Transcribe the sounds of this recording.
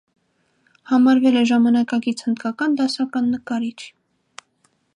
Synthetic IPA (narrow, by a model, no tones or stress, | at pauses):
hɑmɑɾvɛlɛʒɑmɑnɑkɑkit͡sʰhənd̪kɑkɑnd̪ɑsɑkɑnːəkɑɾit͡ʃʰ